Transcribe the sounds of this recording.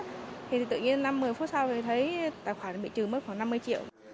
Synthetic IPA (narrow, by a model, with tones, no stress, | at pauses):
t̪ʰi˨˩i˨˩t̪ɨ̰˧˨ɲi˧ənːa˧mːɨ˨˩əjfu˦˥t̚sa˧wt̪ʰi˨˩t̪ʰə˨˦jt̪a̰ː˧˨jxwaː˧˩n˩ɓḭ˧˨t͡ɕɨ˨˩mə˦˥t̚xwaː˧˩ŋna˧mːɨ˧əjt͡ɕi˧˨əw